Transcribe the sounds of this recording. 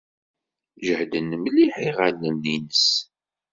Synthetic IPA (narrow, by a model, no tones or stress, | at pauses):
ʒəhd̪ənːəmliħiʁalːənːinəs